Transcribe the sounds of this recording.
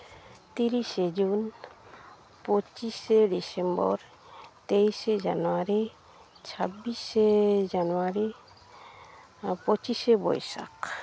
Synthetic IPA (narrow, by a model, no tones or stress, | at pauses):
t̪iɾiʃed͡ʑun | pot͡ʃiʃeɖisembɔ̰ɾ | t̪ejʃed͡ʒa̰noaɾi | t͡ʃʰabːiʃed͡ʒanoaɾi | pot͡ʃiʃebɔ̰jʃa̰k